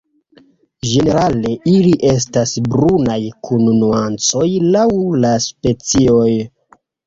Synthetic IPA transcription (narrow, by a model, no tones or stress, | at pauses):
ʒe̞ne̞ɾale̞ʔiliʔe̞s̬tasbɾunajkʰunnuant͡so̞jlawlaspe̞t͡sio̞j